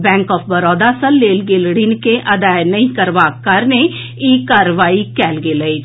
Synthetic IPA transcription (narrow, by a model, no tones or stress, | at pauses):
bɛ̃ːŋkɔːpʰbəɾɔːd̪aːsəlːeːlɡelɽɪnkeʔəd̪aːenəĩːkəɾʋaːkːəɾne | iːkaːɾʋaːiːkɛːlɡeːləiː